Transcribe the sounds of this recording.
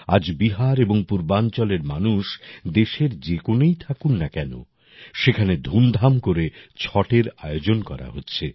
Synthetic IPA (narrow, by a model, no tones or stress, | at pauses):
a̰d͡ʑbiɦaɾeboŋpuɾbant͡ɕɔleɾmanuʃd̪eʃeɾd͡ʑekonejt̪ʰakunːakɛno̰ | ʃekʰaned̪ʱumd̪ʱamkoɾet͡ɕʰɔʈeɾaeod͡ʑonkɔɾa̰ɦotːɕʰe